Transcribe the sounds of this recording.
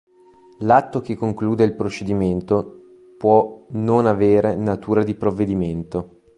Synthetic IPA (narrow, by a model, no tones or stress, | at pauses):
lat̪ːok̟ekːoŋkluːd̪eilpɾot͡ʃed̪iment̪o | pwɔnonaveːɾenat̪uːɾad̪ipɾovːed̪iment̪o